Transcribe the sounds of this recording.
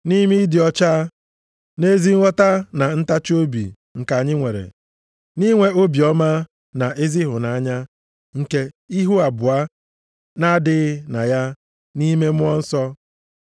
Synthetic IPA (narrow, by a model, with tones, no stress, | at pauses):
ni˦mi˦dɪ˨ɔ˦t͡ʃa˦ | ne˦zi˦ŋ̩˦ŋʷɔ˦ta˦na˨n̩˦ta˦t͡ʃo˦bḭ˨ | ŋ̩˨ka˨ɲɪ˦ŋʷe˨ɾḛ˨ | ni˦ŋʷe˦ʔo˦bi˨ɔ˦ma˦ | na˨ʔe˦zi˦ɦʊ˨na˨a˦ɲa˦ | ŋ̩˨ke˦ | i˦ɦu˦a˨bʊ˨a˦ | na˦dɪ˦ɣɪ˦na˨ja˦ | ni˦me˦mʊ˦ɔ˦n̩˦sɔ˦